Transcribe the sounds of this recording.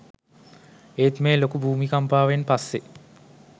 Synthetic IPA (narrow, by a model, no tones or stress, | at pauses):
eːt̪meːlokubʱuːmikampaːʋenpasːe